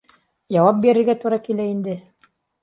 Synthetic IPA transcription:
jɑwɑp̚biɾɘ̆ɾɡæt̪uɾɑkilæind̪ɘ

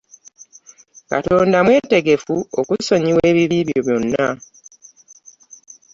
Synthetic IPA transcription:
ka̰to̞ːndamwe̞ːte̞ɡe̞fuo̞kuso̞ɲiwe̞ːβiβiβjo̞βjo̞nːa

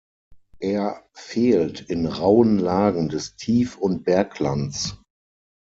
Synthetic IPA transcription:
ʔeːɐfeːltɪnʁaʊənlaːɡŋ̩dɛstʰiːfʊnt̚b̥ɛɐklant͡s

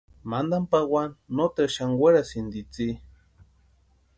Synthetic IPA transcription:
mand̪ampawanːot̪eʃaŋɡʷeɾasind̪it͡si

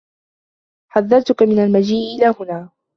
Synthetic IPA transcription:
ħaðːɑɾˤt̪ʊkamɪnalmad͡ʒiːʔʔɪlaːhʊnaː

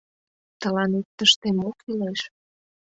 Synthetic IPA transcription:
t̪əlɑnet̪ːəʃt̪emokyleʃ

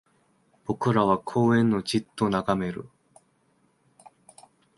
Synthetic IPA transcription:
b̥o̞kɯ̟ɾaβ̞akʰo̞ːẽ̞nːo̞d͡ʑit̪ːo̞naɡame̞ɾɯ̟̰

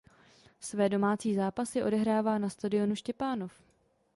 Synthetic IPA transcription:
svɛːdo̞maːt͡siːzaːpasɛʔo̞dɛɦɾaːvaːnast̪adɪo̞nuʃcɛpaːnof

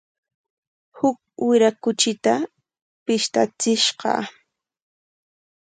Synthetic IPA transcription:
hʊk̚wɪɾakʊt͡ʃɪt̪a | pɪʃt̪at͡sɪʃɢɑ̰

